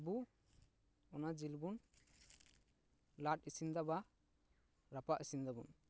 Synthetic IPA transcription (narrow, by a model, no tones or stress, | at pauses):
bu | ɔnad͡ʒilbun | laʈ̚isind̪aba | ɾapaʔisind̪abṵn